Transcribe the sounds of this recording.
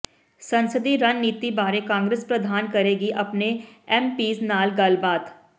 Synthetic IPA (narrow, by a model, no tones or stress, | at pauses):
sɐ̃nsəd̪iɾɐnːiːt̪ibaːɾekãːŋɡɾespɾəd̪ʱaːnkɐɾeːɡiʔɐpneɛːmpiːsnaːlɡɐlbaːt̪